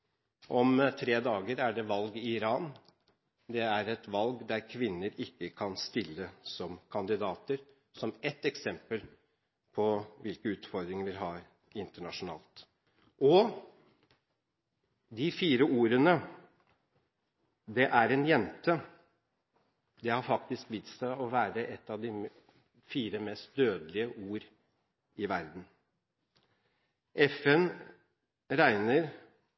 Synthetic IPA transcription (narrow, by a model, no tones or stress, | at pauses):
ʔɔmt̪ʰɾeːd̪ɑːɡəɾæɖɛʋɑlɡɪɪɾɑːn | d̪ɛæɾɛt̪ʋɑlɡd̪æɾkʰʋɪnːəɾɪkːəkʰɑnst̪ɪlːəsɔmkʰɑnd̪ɪd̪ɑːt̪əɾ | sɔmɛt̪ːɛksɛmpəl | pʰɔʋɪlkəʉːt̪fɔɾd̪ɾɪŋʋɪlɦɑːɾ | ɪnt̪əɳɑʂʊnɑ̰ːlt̪ | ʔɔ | d̪ɪfiːɾəuːɾənə | d̪ɛʔæɾɛnjɛnt̪ə | d̪ɛhɑɾfɑkt̪ɪskʋɪt̪sæʔɔʋæːɾəʔɛt̪ːɑʋd̪ɪ | fiːɾəmɛst̪̚d̪øːd̪əlɪəʔuːɾ | ɪʋæɾd̪n̩ | ɛfɛn | ɾæɪnəɾ